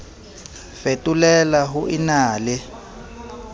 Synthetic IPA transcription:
fetʼulɛlaɦuʔinaːlɛ

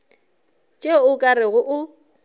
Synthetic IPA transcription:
t͡ʃʼeʊkʼarɪɣʊʔʊ

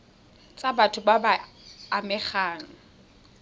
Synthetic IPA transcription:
t͡sʼabatʰʊbabaːmɛχaːŋ̩

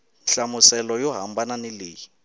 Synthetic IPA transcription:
ɬamusɛlɔjɔɦambʱananeliːji

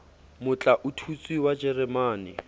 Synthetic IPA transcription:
mʊt͡ɬʼaʔʊtʰut͡sʼwiwad͡ʒɛrɛmaːnɪ

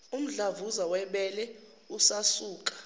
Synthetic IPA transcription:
um̩ɮavuzawɛɓɛlɛ | usasuːkʼḁ

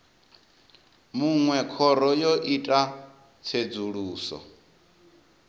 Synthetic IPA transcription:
muŋwɛkʰɔɾɔjoʔitʼa | t͡sʰed͡zuɺuːsɔ̰

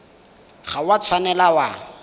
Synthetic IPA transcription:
χawat͡sʰwanɛlawa

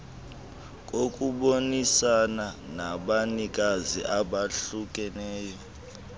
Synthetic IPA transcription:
k̬ʼokʼuɓonisananaɓanik̬ʼazḭʔaɓaɬuk̬ʼɛnɛːjɔ

